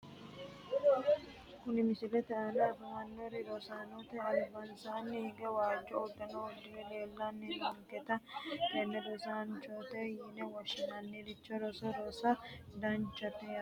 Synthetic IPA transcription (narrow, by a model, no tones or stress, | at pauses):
kʊnɪmɪsɪlɛt̪ɛʔɐnɛɐfɐmɐnːoɾɪd̪ɔsaːnot̪ɛɐlbɐnsaːnːɪhɪɡɛwaːd͡ʒːɔɔd̪ːɐnoʊd̪ːɪjɛleːlːanːɪɐŋkɛt̪ɐhɛnːɛd̪ɔsaːnt͡ʃoːt̪ɛjɪnɛwɔʃːɪnɐnːidɪt͡ʃːɔɾɔsɔɾɔsɐd̪ɐnt͡ʃːɐt̪ɛ